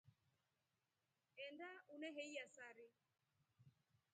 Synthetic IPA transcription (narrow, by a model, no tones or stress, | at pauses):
ɛndaunɛɦɛjasaɾɪ